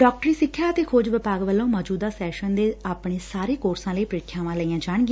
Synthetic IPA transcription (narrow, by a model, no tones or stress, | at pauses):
ɖɔːk̚ʈəɾiːsɪkʰːjaːət̪eːkʰoːd͡ʒʋɪpaːɡʋəlːõːmɔːd͡ʒuːd̪aːsɛːʃənd̪eːaːpɳeːsaːɾeːkoːɾsãːləiːpəɾɪkʰjãːʋãːləiːãːd͡ʒaːɳɡi